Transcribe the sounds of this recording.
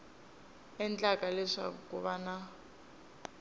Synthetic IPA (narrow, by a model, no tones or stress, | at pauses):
ɛnt͡ɬakʼalɛʂa̰kuβana